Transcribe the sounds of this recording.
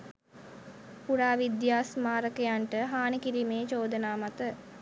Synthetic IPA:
puɽaːʋid̪jaːsmaːɾəkejaɳʈəɦaːnəkiɾimeːt͡ʃoːd̪ənaːmat̪ə

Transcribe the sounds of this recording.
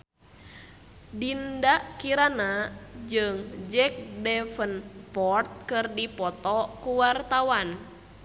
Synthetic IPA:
dindaʔkiɾanad͡ʒɨŋd͡ʒɛk̚dɛfənpɔrt̪̚kɨrdipɔt̪ɔkuwart̪awan

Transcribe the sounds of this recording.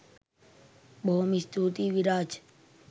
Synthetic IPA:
bʱoːmist̪uːt̪iːʋiɾaːd͡ʒ

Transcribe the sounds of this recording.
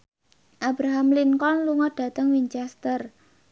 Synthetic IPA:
ʔab̥ɾaɦamliŋkɔnluŋɔd̥a̤t̪əŋwiɲt͡ʃɛst̪ər

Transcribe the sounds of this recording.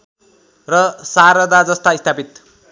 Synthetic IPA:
rʌsaɾʌd̪ad͡zʌst̪aist̪ʰapit̪

